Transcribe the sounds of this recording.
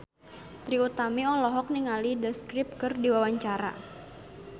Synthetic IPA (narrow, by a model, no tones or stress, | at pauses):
t̪ɾiut̪amiɔlɔɦɔk̚niŋalidəskɾɪp̚kɨrdiwawaɲt͡ʃaɾa̰